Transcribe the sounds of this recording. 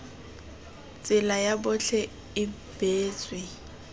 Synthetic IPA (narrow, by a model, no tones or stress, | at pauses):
t͡sʼɪlajabʊɬʰɛ | ɪ | b̥eːt͡sʼwɪ